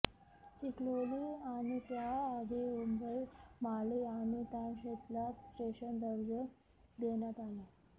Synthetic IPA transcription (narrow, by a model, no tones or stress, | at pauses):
t͡ɕikloliañit̪jaːɡ̪iumbəjmaliañit̪janɕet̪lasʈeɕənd̪əɾd͡ʑə | d̪enjat̪aɦe